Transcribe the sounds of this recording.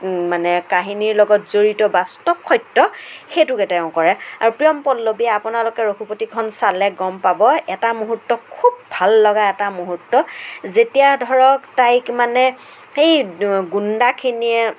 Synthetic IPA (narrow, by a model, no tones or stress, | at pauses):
manɛkaɦiniɹlɔɡɔtzoɹitɔbastɔpʰːɔjtːɔxetukɛtɛʊ̃kɔɹɛaɹupɹijɔmpɔlːobiaapʊnalʊkɛɹokʰupotikʰɔnsalɛɡɔmpabɔɛtamuɦutːɔkʰubʱalːɔɡaɛtamuɦutːɔzetijadʱɔɹɔktajkmanɛ | xejɡundakʰiniɛ